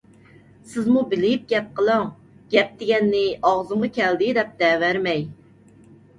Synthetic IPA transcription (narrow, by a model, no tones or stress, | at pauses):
sɪzmubɪlɪp̚ɡʲɛp̚qʰəlˠəŋ | ɡ̥ʲɛp̚d̪ɪɡʲɛnːɪʔɑʁzɨɴʁɑkʲʰɛld̪ɪd̪ɛp̚d̪ɛwæɾmɛj